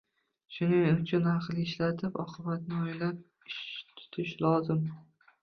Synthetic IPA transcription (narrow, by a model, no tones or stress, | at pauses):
ʃʊnɪŋʊt͡ʃʰʊnɑqlˠɪʃlat̪ʰɪpɒ̰qʰɨbat̪̚nɪojlap̚ | ɪʃt̪ʰʊ̥t̪ʰɪʃlɒzɪm